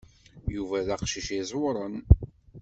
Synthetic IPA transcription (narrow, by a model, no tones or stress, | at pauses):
juvæðæqʃiʃizˤwɾˤən